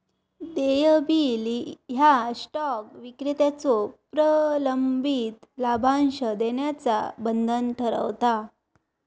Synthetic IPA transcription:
d̪ejəbiliɦjasʈɔkʋikɾit̪at͡sɔpɾələmbit̪labʱanɕəd̪eɳjat͡sa̰bənd̪ʱənʈʰəɾə̰ʋt̪a

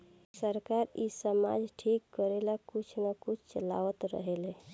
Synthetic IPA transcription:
səɾkaɾisəma̰d͡ʒʈʰikːəɾelakut͡ʃʰnəkut͡ʃʰt͡ʃəla̰ʋət̪ɾə̰ɦele

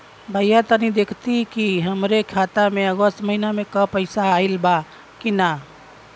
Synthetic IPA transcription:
bʱəjat̪ənid̪eːkʰt̪ikiɦəmɾekʰaːt̪amẽəɡəst̪məɦinamẽkəpəɪsailba | kina

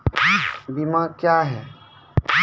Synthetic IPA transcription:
bimãkjaɦɛː

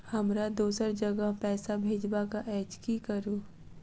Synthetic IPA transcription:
hɐmɾad̪uːsəɾd͡ʒɐɡəɦpɛːsabʱeːd͡ʒbakaʔɛːd͡ʒkikəɾuː

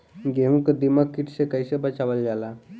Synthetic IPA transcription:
ɡeɦũkd̪imakːiʈɕekəjɕəbat͡ɕaʋəld͡ʒala

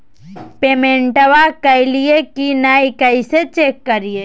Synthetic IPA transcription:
peːmẽːɳʈəʋakəɪlijekinaːikəiset͡ʃeːkːəɾie

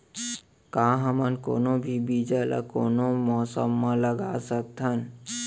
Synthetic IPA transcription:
kãɦəmənko̰ːnobʱibid͡ʒala̰koːnomɔsəmːaləɡasək̚t̪ʰən

